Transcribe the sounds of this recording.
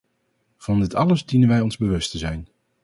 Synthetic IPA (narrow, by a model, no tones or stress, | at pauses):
v̥ɑndɪtɑləzdinənʋɛjɔnzbəʋɵstəzɛjn